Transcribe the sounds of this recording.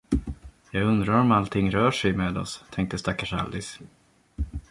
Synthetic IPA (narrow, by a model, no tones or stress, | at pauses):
jɑːɡɵnd̪ɾaɾɔmalt̪ʰɪŋːɾœːʂɛjmeːd̪ɔ̰st̪ʰɛŋk̚t̪əst̪akːaʂa̰ld̪ɪs